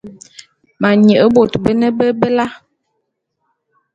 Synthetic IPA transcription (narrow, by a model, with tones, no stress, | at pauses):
ma˨ɲə˨ʔə˦bo˨tbə˦nə˦bə˦bə˦la˦